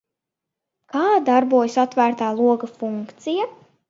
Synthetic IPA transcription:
kaːd̪aɾbuɔjusat̪væːɾt̪aːlˠuɔɡafuŋkt̪sija

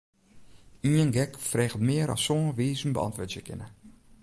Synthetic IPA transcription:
iənɡɛkfrɛːɣətmɪəɾɔ̰ssoːʋiːzəmbə̰ɑ̰ntʋʊtjəkʰɪ̰nə

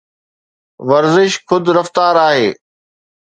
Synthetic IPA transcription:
ʋɐɾzɪʃxʰʊd̪ɾɐft̪aːɾaːɦḛː

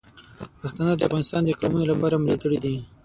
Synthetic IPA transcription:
paxt̪anəd̪əafɣɑnɪst̪ɑnd̪əɪqlɑmunolapɑɾamlit̪əɽid̪i

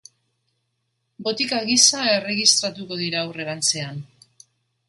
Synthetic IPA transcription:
bo̞t̪ikaɣisae̞re̞ɣist̪ɾat̪uko̞ð̞iɾaːwre̞ɾant͡se̞an

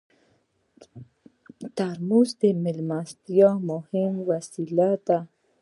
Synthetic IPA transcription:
t̪aɾmuzd̪emɪlmast̪jɑmʊhɪmwasilat̪a

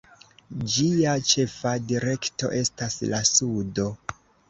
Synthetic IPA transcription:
d͡ʒiat͡ʃe̞fadiɾe̞kto̞̰ʔe̞staslasudo̞

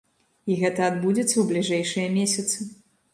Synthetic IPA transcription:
iɣɛt̪ɐːd̪bud͡zʲɛt̪sːɐwblʲiʐɛjʂɨjɐmʲesʲɐt̪sɨ

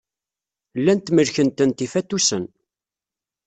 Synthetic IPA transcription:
lːænt̪məlçənt̪ənt̪ifæt̪ːusən

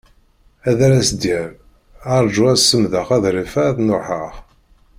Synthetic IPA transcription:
æðæɾæsd̪jæɾ | ɑɾˤd͡ʒuæsəmðəχæðɾifæθnʊħəʁ

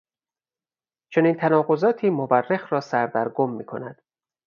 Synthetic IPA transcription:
t͡ʃʰo̞niːnt̪ʰænɒːɣozɒːt̪ʰiːmobærːexɾɒːsæɾd̪æɾɡomːiːkʰo̞næd̪̥

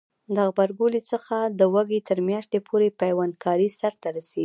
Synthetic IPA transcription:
d̪əɣbaɾɡolit͡səxad̪əwaɡit̪əɾmjɑʃt̪epʰoɾepajwankʰɑɾisaɾt̪aɾaseɡi

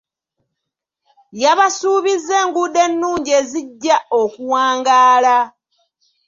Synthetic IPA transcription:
jaβasuːβize̞ːŋɡud̪e̞nːuːɲɟe̞ziɟːao̞kuwaːŋɡaːla

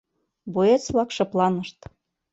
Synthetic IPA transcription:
boet͡sβlɑkʃɤ̆plˠɑnəʃt̪

